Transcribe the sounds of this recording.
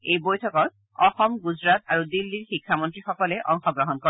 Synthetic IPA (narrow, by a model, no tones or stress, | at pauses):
ejbojtʰɔkɔɹ | ɔxɔmɡuzɹat̪aɹudilːiɹxikʰːamɔntɹixɔkɔlɛʔɔŋxɔɡɹɔɦɔnkɔ